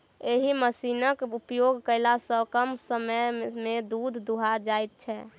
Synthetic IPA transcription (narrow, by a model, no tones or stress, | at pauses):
eɦiməsinəkupjoɡkəɪlasəkəmsəməjmed̪ud̪ʱːuɦad͡ʒajt̪̚t͡ʃʰɛ